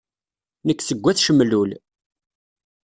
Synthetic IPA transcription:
nəkːθəɡʷːæθʃəmlul

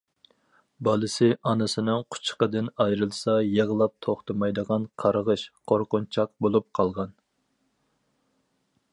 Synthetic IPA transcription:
bɑlˠɨsɪʔɑnɨsɨnɨŋqʰʊ̥t͡ʃʰqəd̪ɪnɑjɾɨlˠsɑjeʁəlˠɑp̚t̪ʰoχt̪ɨmɑjd̪əʁɑnqʰɑɾəʁəʃqʰoɾqʊnt͡ʃʰɑq̚bolˠup̚qʰɑlˠʁɑn

